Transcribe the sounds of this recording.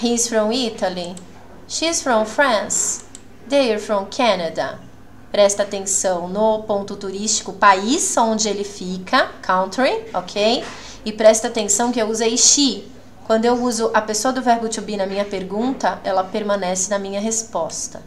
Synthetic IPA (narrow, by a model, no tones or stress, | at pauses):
hisfɾõw̃it̪ɐli | ʃisfɾõw̃fɾɐ̃s | d̪ejeɾfɾõw̃kʰɐnad̪ɐ̰ | pɾɛst̪ɐaːt̪ẽsɐ̃w̃nʊpõnt̪ʊt̪uɾist͡ʃi̥kʊpaisõnd͡ʒɪelɪfikʰɐkʰɐ̃w̃t̪ɾiokʰej | ɪpɾɛst̪ɐat̪ẽsɐ̃w̃kɪewuzejʃi | kwɐ̃nd̪ʊewuzʊʔɐpesoɐd̪ʊvɛɾɡut͡ʃubinɐmĩɲɐpeɾɡũnt̪ɐʔɛlɐpeɾmɐ̃nɛsɪnɐmĩɲɐɦespɔst̪ɐ̥